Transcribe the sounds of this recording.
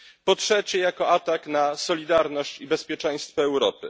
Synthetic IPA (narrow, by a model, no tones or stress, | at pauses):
pɔtʂɛt͡ɕɛjakɔat̪aknasɔlʲid̪aɾnɔɕt͡ɕibɛspʲjɛt͡ʂɛ̃j̃st̪fɔɛwɾɔpɘ̰